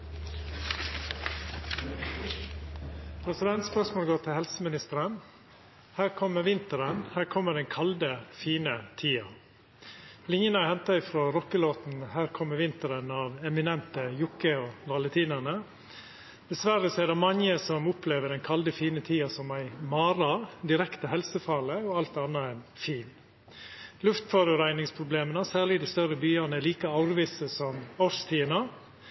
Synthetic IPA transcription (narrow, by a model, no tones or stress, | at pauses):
pʰɾɛsɪd̪ɛnt̪spœʂmoːlɡoːʈ̪ʰɪlhɛlsəmɪnɪst̪əɾən | hæːɾkʰɔmːəɾʋɪnt̪əɾənhæːɾkʰɔmːəɖ̪ɛnkʰɑld̪əfiːnət̪ʰiːɑ | lɪŋjənəɑhɛnt̪ɑɪfɾoːɾɔkːəloːt̪n̩hæːɾkʰɔmːəʋɪnt̪əɾənɑːʋɛmɪnɛnt̪əjʊkəoːʋ̪ɑlət̪ʰiːnənə | d̪̥ɛsʋæɾəsɔɛdɛmɑŋəsɔmʊpʰleːʋəɖɛnkʰɑld̪əfiːnət̪ʰiːɑsɔmæɪmɑːɾɑd̪ɪɾɛkt̪əhɛlsəfɑləɔɑlt̪ɑnːɑɛnfiːn | lʉft̪fɔɾəɾæɪnɪŋspʰɾʊbleːmənəsæːɭɪd̪ɪst̪œɾəbyːɑnəliːkɑɑʊɾʋɪsəsɔmɔɾst̪ʰiːənɑ